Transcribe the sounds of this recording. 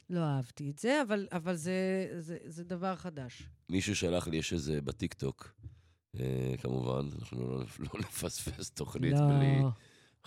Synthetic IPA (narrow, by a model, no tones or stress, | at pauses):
lo̞aavt̪ietz̥eavalavalzezezed̪avaʁχadaʃmiʃuʃalaχlijeʃezebat̪ikt̪o̞k | ḛkamuva̰nana̰χnṵlo̰lonefasfest̪o̞χnit̪obli